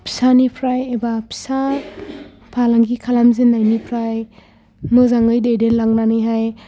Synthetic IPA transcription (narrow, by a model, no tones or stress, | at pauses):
pʰi̥sanipʰɾajebapʰi̥sa | pʰalaŋɡikʰalamzinːajnipʰɾaj | nozaŋɯjdejdenlaŋnanɯjɦaj